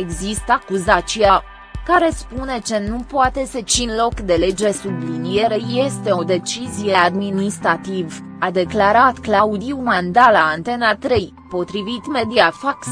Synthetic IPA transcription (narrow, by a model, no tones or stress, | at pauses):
e̞ɡzist̪akuzat͡ʃija | kaɾe̞spune̞t͡ʃe̞nupoat̪e̞set͡ʃinlo̞kd̪e̞le̞d͡ʒe̞sublinie̞ɾe̞je̞st̪e̞o̞d̪e̞t͡ʃizije̞ad̪minist̪ɾat̪iv | ad̪e̞klaɾat̪klaud̪iumand̪alaːnt̪e̞nat̪ɾe̞j | po̞t̪ɾivit̪me̞d̪iafaks